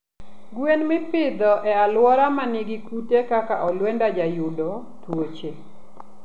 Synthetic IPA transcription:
ɡwenmɪpɪd̪ɔʔɛalwɔɾamanɪɡɪkutekakaʔɔlwɛndad͡ʒajʊdɔ | t̪wot͡ʃe

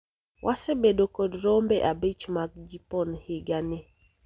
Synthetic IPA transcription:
wʔasɛbedokodɾombɛʔabit͡ʃmak̚d͡ʒipɔnhɪɡanɪ

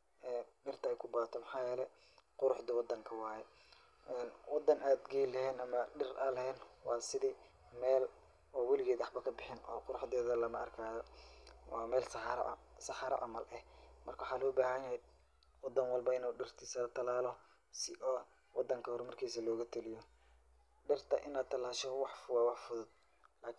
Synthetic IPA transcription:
ɛːɖɪrt̪ʰɐɛjkʰʊbaːt̪ʰɔmɑħɑːjɛːlɛ | qʊɾʊħd̪ɐwɑd̪ːɐŋkʰɐwɑːjɛ | ʔɛːnwɑd̪ːɐnaːd̪ɡɛjlɐhɛːnɐmɐɖɪrɐlɐhɛːnwɑːsɪðiː | mɛːl | ɔːwilɪɣɛːðɑħbɐkʰɐbɪħɪnʔɔːqʊɾʊħðɛːðɐlɐmɐɐrkʰaːðɔwɑːmɛːlsɾɐ̰ʔsɑħɑɾɐ̰ʔɐmɐlʔɛhmɐrkʰɐwħɑːlɔːbaːhɐnjɐhɛ | wɑd̪ɐnwɑlbɐɪnuːɖɪrt̪ʰɪsɐlɐt̪ʰɐlaːlɔ | sɪ̰ʔɔː | wɑd̪ːɐŋkʰɐhʊrmɐrkʰiːsɐlɔːɣɐt̪ʰʊlɪjɔ | ɖɪrt̪ʰɐ̰ʔɪnaːd̪t̪ʰɐlaːʃɔwɑħfʊɣɑwɑħfʊðʊd̪̥̚ | laːkʰ

